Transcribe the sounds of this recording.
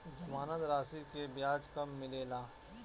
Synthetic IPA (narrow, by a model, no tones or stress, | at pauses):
d͡ʒɐmaːnət̪ɾaːsikebjaːd͡ʒkɐmːɪleːlaː